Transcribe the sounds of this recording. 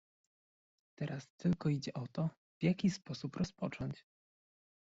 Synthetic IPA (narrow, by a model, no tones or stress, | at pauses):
t̪ɛɾast̪ɘlkɔid͡ʑɛʔɔt̪ɔ | v̥ʲjakʲispɔsupɾɔspɔt͡ʂɔɲt͡ɕ